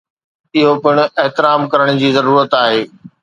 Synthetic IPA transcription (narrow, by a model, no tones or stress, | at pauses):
ɪɦopɪɽ̃ʊ̆ʔeɦt̪ɪɾaːmkɐɾəɽ̃̆d͡ʑiːzɐɾuːɾət̪aːɦeː